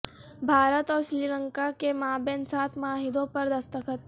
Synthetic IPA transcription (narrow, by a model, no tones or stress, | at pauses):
bʱaːɾət̪ɔːɾsɾiːlə̃ŋkakemaːbẽnsaːt̪ʰmaːɦɪd̪õpɐɾd̪ɐst̪əkət̪̚